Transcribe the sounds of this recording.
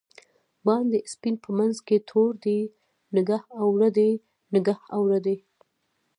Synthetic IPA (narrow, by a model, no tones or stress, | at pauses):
bɑnd̪əspinpʰəmanzket̪ʰoɾd̪e | nɪɡahawɽəd̪e | nɪɡahawɽəd̪e